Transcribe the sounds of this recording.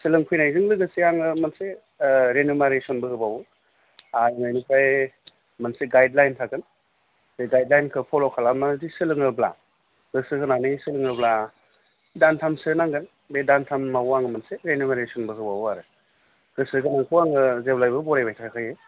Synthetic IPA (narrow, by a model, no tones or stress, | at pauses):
sɯlɯŋpʰujnajzɯŋlɯɡɯsiaŋɯmanse | ɾenumaɾesɔnbɯhɯbawu | ajmajnukʰaj | manseɡajdlajntʰakɯn | beɡajdlajnkʰɯpʰɔlɔkʰalamazisɯlɯŋɯbla̰ | ɡ̥ɯsɯkɯnanisɯlɯŋɯbla | dantʰamsɯnaŋɡɯn | bedantʰammawaŋɯmanseɾenumaɾesɔnbɯhɯbawaɾɯ | ɡ̥ɯsɯɡɯnaŋkʰuaŋɯzeblajbɯbɔɾajbajtʰakʰaje